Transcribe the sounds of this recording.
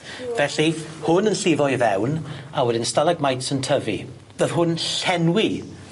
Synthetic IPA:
vɛɬihʊnənɬivɔjvɛwnawɛdɪnstalˠaɡmajtsəntʰəvḭ | ðəv̥ɦʊnɬɛnwi

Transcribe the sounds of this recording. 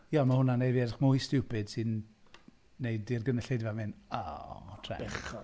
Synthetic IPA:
jamahʊnanejviɛdχmʊjstupʰɨd̥sɨnː | ejdirɡənəɬejdvamɪnɔ̰tʰrɛ̰ɛɔ

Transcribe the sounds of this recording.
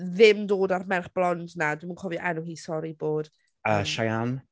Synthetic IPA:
ðɪmdoːdarmɛrχb̥lˠɔndnadwimunkʰɔviʔɛnʊɦiːsɔɾiboːd̥ | əʃajan

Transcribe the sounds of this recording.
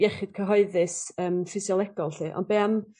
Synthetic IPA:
jɛχɪd̥̚kʰəɦɔɨðɨsəːmfɪsjɔlˠɛɡ̥ɔlˠtiːʔɔ̰ndbeːam

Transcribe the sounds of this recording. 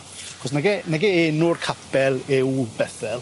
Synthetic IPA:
aχɔsnɛɡɛnɛɡɛɛnʊrkʰapʰɛlˠɪwbɛθɛlˠ

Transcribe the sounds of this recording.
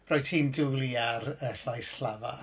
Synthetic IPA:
rɔjtʰiːndulˠiaɾəɬajsɬl̥ava

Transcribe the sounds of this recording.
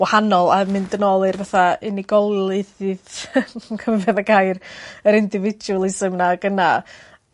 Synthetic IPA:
wahanɔlˠamɨndənɔlˠɨrvaθaɪniɡɔlˠɨðɪð | kʰəvɛðaɡajrəɾɪndɪvɪd͡ʒuəlˠɪsəmnaɡ̥əna̰

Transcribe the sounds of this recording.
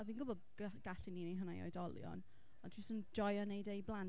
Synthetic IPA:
viːnɡʊbɔd | ɡ̥aɬɪninejɦənajɔ̰ɨdɔlˠjɔ̰n | ɔdʰwisənd͡ʒɔjɔnejdejblˠan

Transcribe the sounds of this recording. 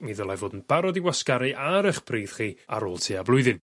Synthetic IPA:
miðəlˠajvoːdn̩b̥aɾɔdiwaskaɾɨʔaɾəχpʰriːð̥χiːa̰ɾoːlˠtʰiːablˠʊɨðɨn

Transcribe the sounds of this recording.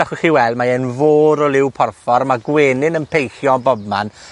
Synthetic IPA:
aχɪχiwɛlˠdmaenvoːɾɔlˠɪwpʰɔrfɔɾmaɡweːnɪnənpʰejχjɔnbɔbma̰n

